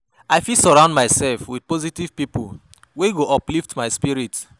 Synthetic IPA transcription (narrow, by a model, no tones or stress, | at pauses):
aɪfisɔɹãʊ̃ndmaɪsɛlfwid̚pɔzitiv̥pipṵl | weɡoʔɔpliftmaɪspiɹit